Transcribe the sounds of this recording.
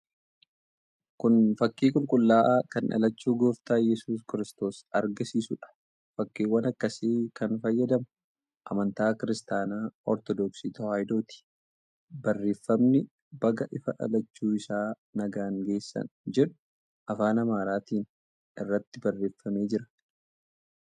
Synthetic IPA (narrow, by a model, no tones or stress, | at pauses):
kʊnfɐkːiːkʊlkʼʊlːaːʔaːkɐnʔɐ̰lɐt͡ʃːuːɡoːft̪aːjɛsuːs̬kɪɾɪst̪o̞ːsɐɾɡɐsiːsʊᶑɐ̥ | fɐkːiːwɐnɐkːɐseːkɐnfɐjːɐd̪ɐmɐ | ʔɐ̰mɐnt̪aːkɪɾɪst̪aːnaːʔɔ̰ɾt̪ɔd̪ɔksiːt̪ɔhaːjd̪o̞ːt̪i̥ | bɐrːe̞ːfːɐmnɪ | bɐɡɐʔɪfɐᶑɐ̰lɐt͡ʃːuːɪsaː | nɐɡaːŋɡe̞ːsːɐ̰nd͡ʒɛᶑʊ̥ | ʔɐfaːnɐmaːɾaːt̪iːn | ɪrːɐt̪ːɪbɐrːe̞ːfːɐme̞ːd͡ʒɪɾɐ̥